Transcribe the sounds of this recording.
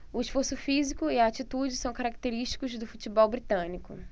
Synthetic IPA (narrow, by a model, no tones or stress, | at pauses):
ʊiʃfoɾsʊfizikʊiaːt͡ʃit̪ud͡ʒɪsɐ̃w̃kaɾakt̪eɾiʃt͡ʃi̥kʊzd̪ʊfut͡ʃibɔwbɾit̪ɐ̃nikʊ